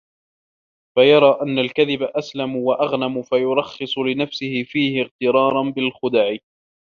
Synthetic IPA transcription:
fajɑɾˤɑːʔanːalkaðɪbaʔaslamʊwaʔɑɣnamʊfajʊɾˤɑxːɨsˤʊlɪnafsɪhɪfiːhɪɣt̪ɪɾˤɑːɾˤɑnbɪlxʊd̪aʕɪ

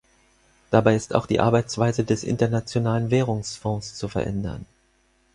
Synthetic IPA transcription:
d̥abaɪɪsta̰ʊxd̥ḭːʔa̰ɐbaɪt͡sv̥aɪzədɛsʔɪ̰ntɐnat͡sjonaːlənvɛːʁ̞ʊŋsfɔ̃st͡sufɛɐʔɛ̰ndɐ̰n

